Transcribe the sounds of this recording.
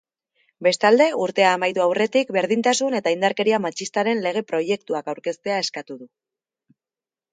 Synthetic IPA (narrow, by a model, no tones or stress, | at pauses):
be̞st̪ald̪e̞uɾt̪e̞aːmajt̪uawre̞t̪ikbe̞ɾð̞int̪asune̞t̪aind̪aɾke̞ɾiamat͡ʃist̪aɾe̞nle̞ɣ̞e̞pɾo̞je̞kt̪uakawɾke̞st̪e̞ae̞skat̪uðu